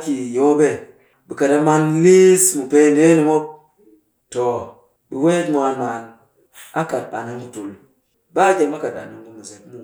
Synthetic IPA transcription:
ki˨jo˦be˦ | bi˨ka˨da˦ma˦nli˦smu˨pe˦nde˦ni˨mo˦b̚ | to˨ | bi˨we˦tmʷa˨nma˨n | a˦ka˨ta˨na˦nbu˦tu˨l | ba˦d͡ʒe˨ma˦ka˨ta̰˨na˨nbu˦mu˨ze˨nmu˦

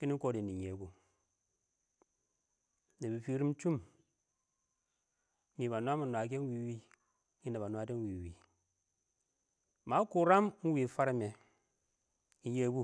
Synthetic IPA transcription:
ki˦ni˦ko˦di˨ni˨ɲe˨˦bu˦˨ | ni˨bi˨fi˦ɾi˦m˦t͡ʃu˦m˦ | mi˨ba˨nu˦a˦mi˨nwa˨k̬e˦n˦wi˨˦wi˦ | ŋi˦ne˨ba˨nu˦a˦de˦n˦wi˨wi˨ | ma˨˦ku˨ɾa˦m˦ŋ̩˦wi˨fa˦ɾi˦me˨ | i˦je˦bu˦˨

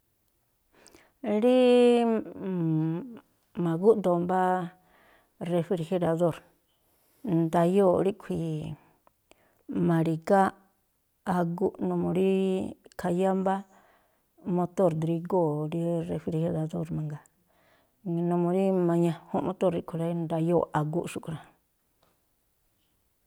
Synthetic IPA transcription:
ɾi˦ | mã˨ɣu˦ʔnd̪o˧mba˦ | re˧fi˧ɾxe˧ɾa˧ðo˦˨ɾ | nd̪a˧jo˦˨ɾi˦kʷʰi˨ | mã˨ɾi˨ɡa˦ | a˧ɡu˦ʔnõ˧mõ˧ɾi˦kʰa˧ja˦mba˦ | mõ˧t̪o˦˨ɾd̪ɾi˧ɡo˦˨ɾi˦re˧fi˧ɾhe˧ɾa˧ðo˦˨ɾmã˨ŋɡa˨ | nõ˧mõ˧ɾi˦mã˧ɲã˧hũ˦mõ˧t̪o˦ɾɾi˦ʔkʷʰi˧ɾa˧˦nd̪a˧jo˦˨ʔa˨ɡu˦ʔʃu˦˨ku˧ɾa˨

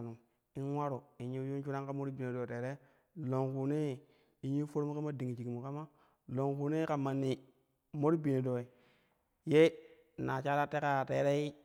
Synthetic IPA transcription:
nu˨ | i˦nwa˦ɾo˨i˨ɲi˦ju˦t͡ʃu˦ɾa˦ŋka˦mo˦ɾi˦bi˨ne˨do˨te˨ɾe˦ | lo˨ŋku˨ne˦ | i˨ɲi˦fo˦ɾmu˦ka˦ma˦di˨ŋi˨t͡ʃi˨ki˨mu˨ka˦ma˦ | lo˨ŋku˨ne˦ka˨ma˨nːi˨ | mo˦ɾi˦bi˨ne˨do˨i˨ | je˦˨ | na˨t͡ʃa˦la˦te˦ka˨te˨ɾe˦i˦

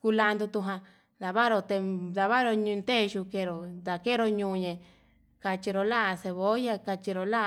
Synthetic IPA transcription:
ku˧la˧nd̪u˧t̪u˧ɦã˧ | d̪a˨βa˦ɾo˧t̪e˧d̪a˧βa˦ɾo˧ɲũ˧nt̪e˦˧ʒu˧ke˧˨ɾo˨d̪a˨ke˦ɾo˧ɲũː˧ɲẽ˨ | ka˧t͡ʃi˧ɾo˧la˦˧se˧βo˨˦ja˧ka˧t͡ʃi˧ɾo˧la˦˧

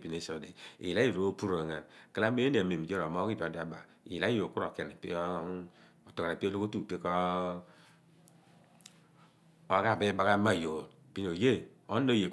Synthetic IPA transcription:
pi˨ne˨˦so˨de˨ḭ˨a˦˨ɾo˦o˦pu˦ɾo˨ŋa˨nkə˦la˦be˦e˦ne˨a˨me˨m˨d͡ʒo˦ɾo˨mo˦ki˦d͡ʒo˨da˨ba˨ | ḭ˨jla˦i˦jo˨ku˦ɾo˨ke˨ne˨pi˦o˦˨ | to˨ka˨ɾa˨pi˦o˦lo˦ko˦tu˦˨pe˦ko˦ | o˦ɡa˦˨be˦ba˨ka˦ma˦˨jo˨ | pi˦no˨je˦o˦nː˦o˦je˨

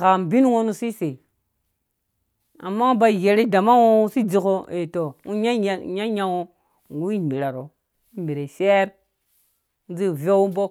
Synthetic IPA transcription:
ka˨m˨bi˦n˦wo˦nu˦si˦se˨ | a̰˨mːa˦u˦ba˨je˨ɾi˦da˨ma˦wo˦u˦si˦d͡zi˨ko˦e˨to˨u˦ɲa˦˨ɲa˦ɲa˦wo˦˨ | ɡu˦i˦mbi˨ɾa˨ɾo˨ | i˦mbi˨ɾe˨se˦ɾ | u˦d͡zi˦˨vo˦u˦bo˦k

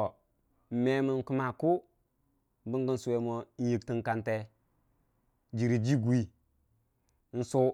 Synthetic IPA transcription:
m̩˨me˦mi˨n˨ku˦ma˨ku˦ | bi˦ŋɡə˦n˦su˨we˨mo˦n̩˦ji˨k̚ti˦ŋ˦ka˨nte˦ | d͡ʒi˨ɾi˨d͡ʒi˦ɡu˨i˦ | n̩˦su˦

